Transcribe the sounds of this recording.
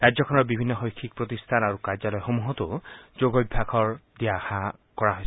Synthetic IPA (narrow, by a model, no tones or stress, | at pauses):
ɹajzɔkʰɔnɔɹbibʱinːɔxojkʰːik̚pɹot̪ist̪ʰanaɹukaɹzalɔjxomuɦɔt̪ʊzoɡobʱakʰɔɹdiaxakɔɹaɦojs